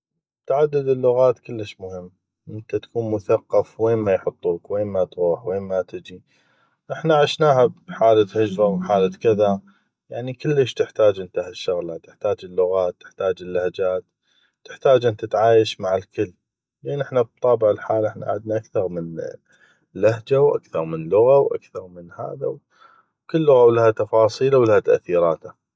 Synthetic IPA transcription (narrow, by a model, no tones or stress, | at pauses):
t̪aʕad̪ːɪd̪ɪlːʊɣaːt̪kəlːəʃmʊhɪmː | ʔɪnt̪at̪ḁkʰuːnmʊθaqːɑfweːnmajħʊt̪ˤːuːkweːnmat̪ɾuːħweːnmat̪ɪd͡ʒi | ʔɪħnaʔaʕɪʃnaːɦabħaːlat̪hɪd͡ʒbawħaːlakɪða | jaʕnikəlːəʃt̪ɪħt̪aːd͡ʒʔɪnt̪ahaʃːʊɣlat̪ɪħt̪aːd͡ʒɪlːʊɣaːt̪ːɪ̥ħt̪aːd͡ʒɪlːahad͡ʒaːt̪ | t̪ːɪħt̪aːd͡ʒʔɪnt̪ɪt̪ʕaːjaʃmaʕɪlkɪlː | leːnʔɪħnab̚t̪ˤːɑːbɪʕɪlħaːlɪħna̰ʕad̪naʔakθɑɾˤmən | lahd͡ʒawʔa̰kθɑɾˤmənlʊɣawʔa̰kθɑɾˤmənha̰ːðaw | wkəlːʊɣawlahat̪ɑfɑːsˤiːlawlahat̪aʔθiːɾɑːt̪ha